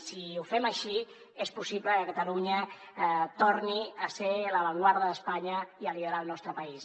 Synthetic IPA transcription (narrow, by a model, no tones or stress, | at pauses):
siufɛməʃi | espusiβləkəkət̪əluɲə | t̪oɾniəseləβəŋɡwaɾðəðəspaɲəiəliðəɾalˠnɔst̪ɾəpəis